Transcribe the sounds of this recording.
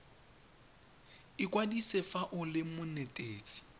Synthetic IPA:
ɪkʼwadisɪfaʔʊlɪmʊnɛtʼeːt͡sʼi̥

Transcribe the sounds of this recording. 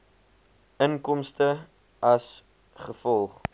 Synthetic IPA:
əŋkɔmstə | ɐs | χəfɔlˠχ

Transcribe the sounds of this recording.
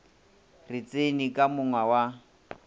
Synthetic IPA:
rɪt͡senikʼamʊŋwawa

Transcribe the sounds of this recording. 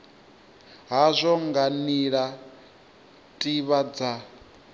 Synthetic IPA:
ɦazʷɔŋɡaniɺa | tʼiβad͡za

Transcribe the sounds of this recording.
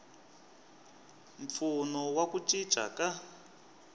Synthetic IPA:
ɱfunɔwakut͡ʃʼid̥ʒ̥ʱa̰ka

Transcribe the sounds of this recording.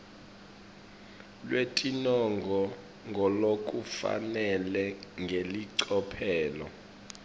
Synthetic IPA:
lwetʼinɔŋɡʱɔ | ŋɡʱɔlok̬ʼufa̰nɛlɛŋɡʱeliǀɔpʰɛːlɔ̰

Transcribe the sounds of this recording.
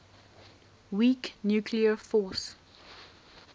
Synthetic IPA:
wiknjuːkʰliəfɔˑs

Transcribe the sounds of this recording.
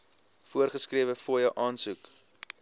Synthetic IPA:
fuərχəskriəvəfuəjəʔɑːnsuk

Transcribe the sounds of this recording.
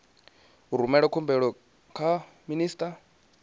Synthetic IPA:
ɦuɾumɛɺɔkʰumbɛɺɔ | kʰa | miniːstʼa

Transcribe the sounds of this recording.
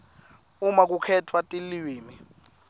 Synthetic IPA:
umak̬ukʰɛtʰwatʼiliiːmi

